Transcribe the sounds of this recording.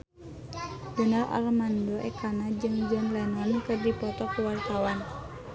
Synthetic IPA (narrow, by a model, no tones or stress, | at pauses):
bənarʔa̰rmandɔʔɛkanad͡ʒɨŋd͡ʒanlanankɨrdipɔt̪ɔkuwart̪awan